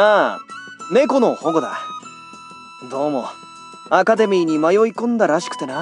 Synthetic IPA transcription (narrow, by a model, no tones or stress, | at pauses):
aː | me̞ko̞no̞ho̞ɡo̞d̪a̰ | d̪o̞ːmo̞̰ | akad̪e̞mʲiːɲ̟imajo̞ikõ̞nd̪aɾaɕi̥kɯ̟̥t̪ena